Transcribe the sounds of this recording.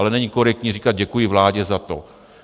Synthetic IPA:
lɛnɛɲiko̞ɾɛkt̪ɲiːriːkad̪̚ɟɛkujɪvlaːɟɛzat̪o

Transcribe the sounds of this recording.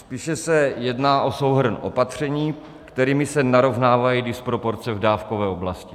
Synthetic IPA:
spiːʃɛsɛjɛdnaːʔo̞so̞wɦr̩nʔo̞̰pat̪r̝̥ɛɲiː | kt̪ɛɾiːmɪsɛnaɾo̞vnaːvajidɪspɾo̞po̞ɾt͡sɛvdaːfko̞vɛːoblascɪ

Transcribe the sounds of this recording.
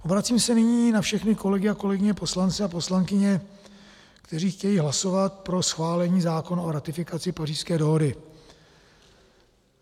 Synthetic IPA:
ʔo̞bɾat͡siːmsɛnɪɲiːnafʃɛxnɪko̞lɛɡɪako̞lɛɡɪɲɛpo̞slant͡sɛapo̞slaŋkɪɲɛ | kt̪ɛriːxcɛjiːɦlaso̞vat̪pɾo̞sxvaːlɛɲiːzaːko̞no̞ɾat̪ɪfɪkat͡sɪpariːskɛːdo̞ɦo̞dɪ

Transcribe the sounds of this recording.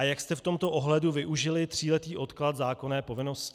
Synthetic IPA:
ajakst̪ɛft̪o̞mt̪o̞ʔoɦlɛduvɪʔuʒɪlɪt̪r̝̥iːlɛt̪iːʔo̞t̪klat̪zaːko̞nɛːpo̞vɪno̞sc

